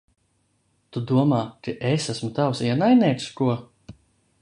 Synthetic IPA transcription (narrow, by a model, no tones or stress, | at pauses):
t̪ud̪uɔmaːkiʔesasmut̪awsiɛnajnʲɛːt̪skuɔ